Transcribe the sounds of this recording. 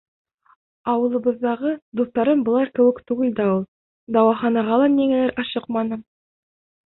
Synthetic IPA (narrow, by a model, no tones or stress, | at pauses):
ɑwəlˠəbəzd̪ɑʁəd̪ust̪ɑɾənbolˠɑɾkʲʰɵwɪkt̪ʰuɡʲɪlʲd̪ɑwə | d̪ɑwɑχɑnɑʁɑlˠɑnːeŋelʲeɾʔɑʃəqmɑnəm